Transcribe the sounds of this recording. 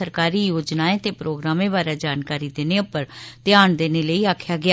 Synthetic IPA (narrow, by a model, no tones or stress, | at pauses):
əɾkaːɾiːjoːd͡ʒnaːẽt̪eːpɾoːɡɾaːmẽːbaːɾaːd͡ʒaːnkaːɾiːd̪eːneːʊpəɾt̪ɪjaːnd̪eːneːləiːaːkʰjaːɡɪaː